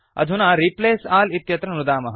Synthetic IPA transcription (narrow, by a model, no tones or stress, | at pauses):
ɐ̰d̪ʱunaːɾipleːsaːlit̪jɐt̪ɾɐnud̪aːmɐɦ